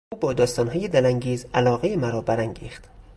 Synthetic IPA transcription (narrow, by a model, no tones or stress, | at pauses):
uːbɒːd̪ɒːst̪ɒːnɦɒːjed̪ælæŋɟiːzælɒːɣejemæɾɒːbæɾæŋɟḭːxt̪